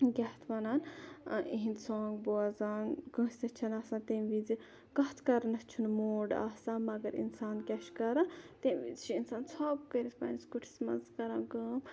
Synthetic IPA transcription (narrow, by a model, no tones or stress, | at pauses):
ɡʲɐht̪ʰʋɐnaːn | iɦĩnd̪soːŋɡboɐzaːnɡə̃ːst̪ɐt͡ʃʰɐnasãːnt̪emʋid͡zi | ɡɐɦt̪ʰkɐɾɐnɐst͡ʃʰunmoːɖa̰sãːmɐɡɐɾḭnsaːnkʲɐʃkɐɾat̪emʋḭzt͡ʃʰiinsaːnsʰaːb̚kəɾit̪ʰpɐ̰nskuʈʰi̥smɐ̰nzkɐɾaːnɡəːm